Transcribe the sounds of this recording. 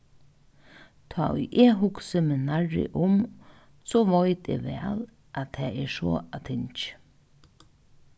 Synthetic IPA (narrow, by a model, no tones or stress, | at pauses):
t̪ʰɑːʊʔɛɦʊksɪmɪnaɹɪ̰ʔʊm | sɔʋɔjt̪ḛʋɛːl | ʔat̪ʰɛːɛso̰ːat̪ʰɪnt͡ʃ